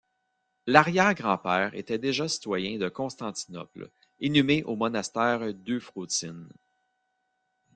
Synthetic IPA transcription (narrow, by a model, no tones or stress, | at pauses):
laʁjɛːʁɡʁɑ̃pɛːʁḛt̪ɛd̪eʒasi̥t̪wajɛ̃d̪əkɔ̃st̪ɑ̃t̪i̥nɔ̰pl | inymeʔomɔnast̪ɛːʁd̪øfʁoːt͡s̪ɪn